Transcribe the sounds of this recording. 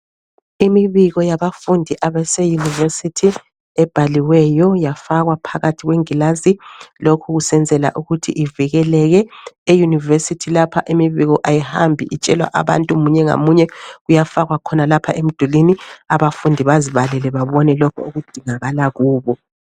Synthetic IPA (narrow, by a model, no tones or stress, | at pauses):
imiβiɣɔjaβafundʱiʔaβɛsɛjuniversitʰi | ɛb̥ʱaliwɛjɔjafaɣwapʰaɣatʰiɣweŋilazilokʰuɣusɛnd͡zʱɛla̰ʔuɣutʰiʔiviɣɛlɛɣɛejunivesitʰilapʰaʔemiβiɣɔʔajihambʱḭʔit͡ʃʼɛlwa̰ʔa̰βa̰ntʼumuɲɛŋa̰muɲɛɣujafaɣwakʰɔnalapʰaʔem̩d̥ʱuliniaβafundʱiβaziβalɛlɛβaβɔnɛlɔkʰɔ̰uɣud̥ʱiŋaɣalaɣuːβɔ